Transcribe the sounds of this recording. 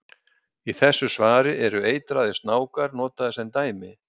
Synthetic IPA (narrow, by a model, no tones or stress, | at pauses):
iθɛsːʏsvaːɾɪʔɛɾʏeːjt̪ɾaːðɪst̪naːwkaɾnɔːt̪aðɪsɛnt̪aːjmɪ